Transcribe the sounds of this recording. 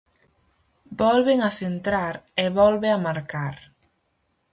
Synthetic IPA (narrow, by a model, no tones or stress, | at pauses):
bɔlβeŋaθent̪ɾaɾeβɔlβeamaɾkaɾ